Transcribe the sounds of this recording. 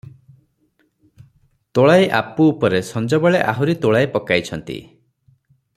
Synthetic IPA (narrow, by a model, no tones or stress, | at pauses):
t̪oɭajʔapuːpɔɾesɔnd͡ʒɔbɔɭeʔaɦuɾit̪oɭajpɔkajt͡ʃʰɔnt̪ḭ